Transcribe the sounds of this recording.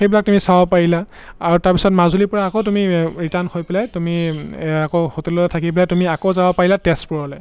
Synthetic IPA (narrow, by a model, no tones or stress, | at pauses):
xejbilak̚tumisawpaɹilaː | ɹutaɹpisɔtmazulipɔɹaːkotumiɹitanhojpɛlajtumiakohotɛlɔatʰakipɛlajtumiakowzawapaɹilatɛstpuɹɔlɛ